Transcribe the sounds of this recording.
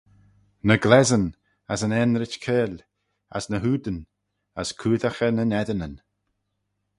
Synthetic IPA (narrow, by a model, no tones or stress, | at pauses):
nəɡlɛzən | asənɛnɾɪt͡ʃkʰeːl | a̰snəɦuːd̪ən | əskʰuːðaxənənɛdənən